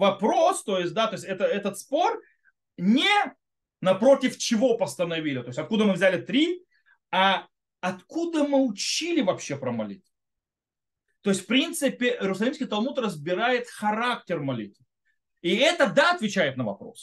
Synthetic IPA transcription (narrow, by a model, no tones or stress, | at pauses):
vɐpɾo̞st̪o̞jɪsʲt̚ʲd̪at̪o̞ɪsʲɛt̪əɛt̪ət̪spo̞r | nʲɪ | nɐpɾo̞tʲɪft͡ɕɪvo̞pəst̪ənɐvʲilʲɪt̪o̞ɪsʲɐt̪̚kud̪əmɨvzʲælʲɪt̪ɾʲi | a | ɐt̪kud̪əmɨʊt͡ɕilʲɪvɐpɕːe̞pɾəmɐlʲḭt̪ | t̪o̞jɪsʲt̪ʲfpɾʲint̪sɨpʲɪɪɾʊsɐlʲimsʲkʲɪjt̪ɐlˠmut̪rəzbʲɪɾajɪt̪xɐɾak̚tʲɪrmɐlʲḭt̪və | iɛt̪əd̪aɐt̪vʲɪt͡ɕæjɪt̪nəvɐ̰pɾo̞̰s